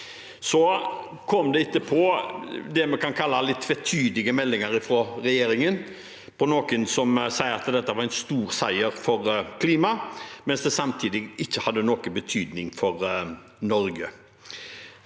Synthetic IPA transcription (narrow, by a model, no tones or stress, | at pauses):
sɔ | kʰɔmd̪ɛɪt̪ːəpʰɔd̪ɛmɛkʰɑnkʰɑlːɑlɪt̪ːʰʋɛt̪ʰyːd̪lɪɡəmɛlːɪŋəɾɪfɾoɾɛjeːɾɪŋən | pʰɔnoːkənsɔmsæɪəɾɑt̪d̪ɛt̪ːəʋɑɾɛɪnst̪uːɾsæɪəɾfɔɾkʰliːmɑmɛnsd̪ɛsɑmt̪ʰiːd̪ɪɪçːəhɑd̪ːənoːkəbət̪ʰyːd̪nɪŋfɔɾ | nɔɾɡə